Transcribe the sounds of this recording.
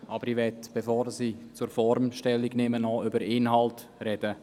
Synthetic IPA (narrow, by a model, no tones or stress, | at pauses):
ʔɑbəɾivɛtb̥efɔːɾsiːt͡suɾfɔɾmʃtɛlːiɡnɛːmənɔʏbəɾɪnɦɑlt | rɛd̥ə